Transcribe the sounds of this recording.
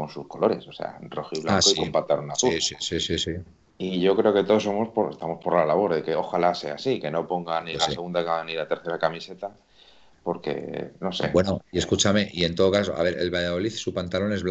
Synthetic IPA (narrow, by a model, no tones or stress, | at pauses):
ko̞nsusko̞lo̞ɾe̞sose̞̰a̰roxiβlaasoiiompat̪aɾunaθuiisisisi | iʝo̞kɾe̞o̞ke̞t̪oðos̬omospoɾest̪amo̞spo̞ɾlalaβ̞o̞ɾðeke̞o̞xalase̞asike̞no̞po̞ŋɡanilaseɣund̪akaɣanilat̪e̞ɾθe̞ɾakamise̞t̪a | po̞ɾke̞̰no̞sḛbwenoie̞skut͡ʃame̞ʔie̞nt̪o̞ð̞o̞kas̬oʔa̰β̞e̞ɾʔe̞lβaʝaðo̞liθsupant̪alo̞ne̞zβ